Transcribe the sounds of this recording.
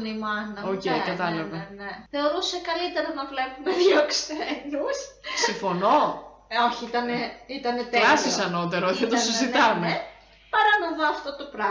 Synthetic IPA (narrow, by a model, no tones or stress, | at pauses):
nimɐnɐocejkɐt̪ɐlɐvɐneθe̞o̞ɾusekɐlit̪e̞ɾɐnɐvle̞puneðjoksenussiɱfo̞no̞ | o̞çiit̪ɐneit̪ɐne̞t̪elɐsisɐnot̪e̞ɾooçɐt̪osizit̪ɐme | pɐɾɐnɐðoɐft̪ot̪opɾɐ